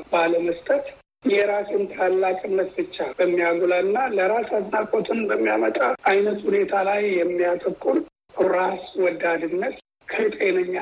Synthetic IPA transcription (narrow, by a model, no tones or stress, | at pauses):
baləməst̪ʼət̪ | jɛɾasɪnt̪ʰalːakʼɨnːət̪bɨt͡ʃːabəmːijaɡulalɨnːaləɾasaznakʼot̪ʰɨnbəmːijamət̪ʼaʔajnət̪hune̞t̪ʰalajːɛmːijat̪ʼəkʼːun | ɾaswɔd̪ad̪ɨnːət̪ | kʰət̪ʼenəɲːa